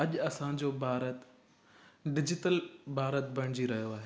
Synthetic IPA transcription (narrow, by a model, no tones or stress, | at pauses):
ɐʄɐsãd͡ʑoːbʱaːɾət̪ | ɖɪd͡ʑɪʈəlbʱaːɾət̪̚bʱɐɽ̃ɪd͡ʑiɾɐɦijoaːɦe